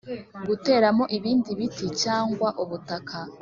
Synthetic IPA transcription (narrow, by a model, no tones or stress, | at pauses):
ɡute̞ːɾamo̞ʔiβiːndiβitit͡ʃaːŋɡwaʔuβutakʰa